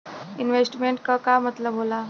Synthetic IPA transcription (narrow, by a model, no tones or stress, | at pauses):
inʋesʈmeɳʈkəkamət̪ləbɦola